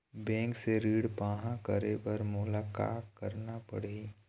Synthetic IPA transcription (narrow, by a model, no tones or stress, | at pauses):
bɛ̃ːŋkseɾiːɽpaːɦãkəɾebɐɾmʊlaːka̰ːtkɐɾnapɐ̰ɽeː